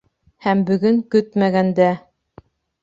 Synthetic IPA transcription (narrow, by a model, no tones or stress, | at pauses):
hæmbɵ̆ɡɵŋkɵt̪mæɣænd̪æ